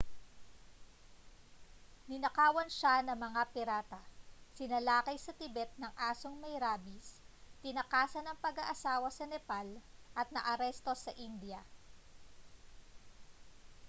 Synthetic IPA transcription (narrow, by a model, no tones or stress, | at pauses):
nɪnɐkaːwɐnʃanɐmɐŋapɪɾaːt̪ɐsɪnɐlaːkɐjsɐt̪ɪbɛt̪̚nɐŋʔaːsoŋmɐjɾaːbist̪ɪnɐkaːsɐnɐŋpɐɡɐʔɐsaːwɐsɐnɛpalʔɐt̪̚nɐʔɐɾɛst̪o̞sɐʔind̪jɐ